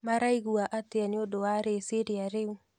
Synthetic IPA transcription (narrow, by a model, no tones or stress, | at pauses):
maɾaiɣuaʔateaneodowaɾeseɾeaɾeu